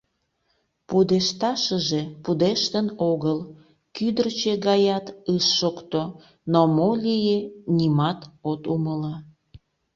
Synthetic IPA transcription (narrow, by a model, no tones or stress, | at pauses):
pud̪eʃt̪ɑʃəʒepud̪eʃt̪ənoɣəl | kyd̪ərt͡ɕeɣɑjɑt̪ɯʃːokt̪o | nomolʲijenʲimɑt̪ot̪uməlɑ